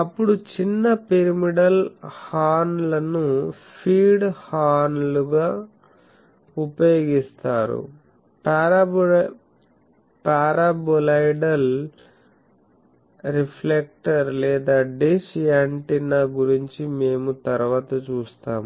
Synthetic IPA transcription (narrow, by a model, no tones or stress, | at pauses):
ɐpːuɽut͡ʃinːɐpeɾimiɽɐlhaːnlɐnu | pʰiːɖhaːnluɡaː | upɐjoːɡist̪aːɾṵ | paːɾabolɐjɖɐl | ɾipʰlek̚ʈɐɾlɛːd̪aːɖisaɳʈinaːɡuɾiɲt͡ʃime̞ːmut̪ɐɾuʋaːt̪ɐt͡ʃuːst̪aːmu